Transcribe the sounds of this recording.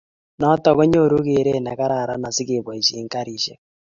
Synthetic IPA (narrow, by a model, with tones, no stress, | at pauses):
nɔ˦tɔ˨ɣɔ˦ɲo˦˨ɾu˦ɣe˨ɾɛ˦˨na˨ka˦ɾa˨ɾa˦na˨si˦ke˨βwa˨i˨ʃi˦ŋka˦ɾi˦ʃɛ˦˨